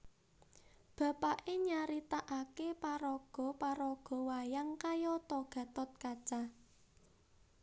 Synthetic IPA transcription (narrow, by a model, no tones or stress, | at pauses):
b̥ä̤paʔeɲaɾit̪aʔakepaɾɔɡ̥ɔ̤paɾɔɡ̥ɔ̤wajaŋkajɔt̪ɔɡ̥ä̤t̪ɔt̪̚kad̥ʒ̥a